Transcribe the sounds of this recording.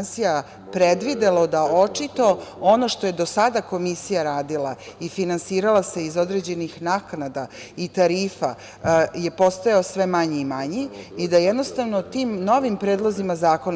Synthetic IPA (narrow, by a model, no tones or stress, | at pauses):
nsija | pɾed̪ʋid̪elo̞d̪aot͡ʂit̪o̞ono̞ʃt̪oje̞d̪o̞sad̪ako̞misijaɾaːd̪ilˠaifinansiːɾalase̞izo̞d̪ɾed͡ʑe̞nixnaknad̪a | it̪aɾiːfa | je̞po̞st̪ajaosʋe̞maɲiimaɲiid̪ajed̪no̞st̪aʋnot̪iːmno̞ʋimpɾeːd̪lˠo̞zimazaːko̞n